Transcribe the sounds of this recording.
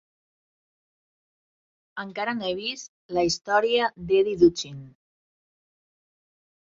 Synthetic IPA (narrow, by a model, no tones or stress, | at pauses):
əŋkaɾaneβist̪ | laist̪ɔɾiad̪eðiðut͡ʃin